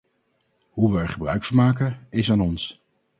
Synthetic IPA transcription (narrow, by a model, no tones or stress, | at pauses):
ɦuʋəɛɹχəbrœ̰ɥkfʊːɹmaːkəɪsaːnɔns